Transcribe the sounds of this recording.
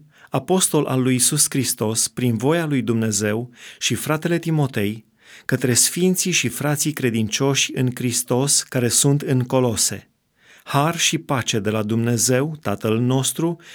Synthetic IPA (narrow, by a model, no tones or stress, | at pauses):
apo̞st̪o̞lʔa̰lːujːsuskɾist̪o̞spɾinvo̞jalujd̪umne̞ze̞wʃifɾat̪e̞le̞t̪imo̞t̪e̞j | kət̪ɾe̞sfint̪siʃifɾat̪sikɾe̞d̪int͡ʃo̞ʃʲɨŋkɾist̪o̞skaɾe̞sunt̪ɨŋko̞lo̞se̞̰ | harʃipat͡ʃe̞d̪e̞lad̪umne̞ze̞wt̪at̪əlno̞st̪ɾu